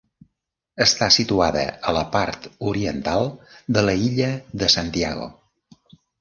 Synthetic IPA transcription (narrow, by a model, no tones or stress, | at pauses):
əst̪asit̪uaðə̰ələpaɾt̪uɾiənt̪alˠd̪ələiʎəðəsant̪iaɣo̰